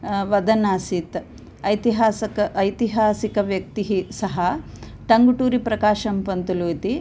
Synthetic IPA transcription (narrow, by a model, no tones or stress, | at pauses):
ʋɐd̪ɐnaːsit̪ | ɐjt̪iɦaːsɐkɐɐjt̪iɦaːsikɐʋjɐk̚t̪iɦisɐɦɐ | ʈɐŋɡuʈuːɾipɾɐkaːʃɐmpɐnt̪uluːt̪i